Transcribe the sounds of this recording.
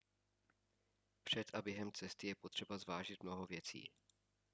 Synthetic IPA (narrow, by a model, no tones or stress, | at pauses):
pr̝̥ɛt̪ʔabjɛɦɛmt͡sɛst̪ɪjɛpot̪r̝̥ɛbazvaːʒɪt̪̚mnoɦovjɛt͡sḭː